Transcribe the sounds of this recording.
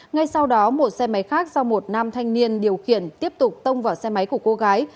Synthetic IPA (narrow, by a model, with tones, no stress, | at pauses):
ŋa˧jsa˧wɗɔ˨˦mo˨˩t̚sɛ˧ma˨˦jxaː˦˥k̚zɔ˧mo˨˩t̚naː˧mt̪ʰa˧jŋ̟ni˧ənɗi˨˩əwxḭ˧˨ənt̪i˦˥əp̚t̪ʊ˨˩k͡p̚t̪ə˧wŋ͡mvaː˧˩wsɛ˧ma˨˦jku˧˩əko˨˧˦ɣaː˨˦j